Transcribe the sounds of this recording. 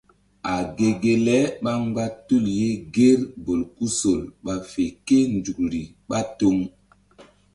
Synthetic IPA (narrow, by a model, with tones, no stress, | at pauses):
a˨ɡe˨ɡe˨lɛ˦ɓa˦ŋɡ͡ba˦tu˦˨lje˦ɡe˦ɾbo˨lku˦so˨lɓa˨fe˨ke˦nd͡ʒu˨kɾi˨ | ɓa˦to˦ŋ